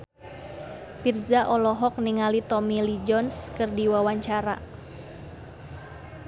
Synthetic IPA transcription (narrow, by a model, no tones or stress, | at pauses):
pirzaʔɔlɔɦɔk̚niŋalit̪ɔmilid͡ʒɔnskərdiwawaɲt͡ʃaɾa̰